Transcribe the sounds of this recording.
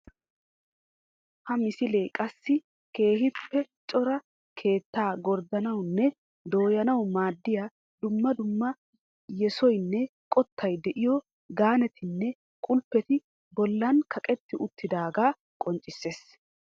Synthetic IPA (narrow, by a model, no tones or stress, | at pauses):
hɐmɪsɪleːkʼɐsːɪ | ke̞ːɦɪpːɛt͡ʃʼɔɾɐ | kʰe̞ːt̪ːaːɡɔɾd̪ɐnɐwnːɛ | d̪o̞ːjɐnɐwmaːd̪ːɪja | d̪ʊmːɐd̪ʊmːɐ | jɛsɔjnːɛkʼɔt̪ʰːɐjd̪ɛʔɪjɔ | ɡaːnɛt̪ʰɪnːɛ | kʼʊlpːɛt̪ɪ | bɔlːɐnkʰɐkʼɛt̪ːɪʔʊt̪ːɪd̪aːɡaː | kʼɔnt͡ʃʼɪsːe̞ːs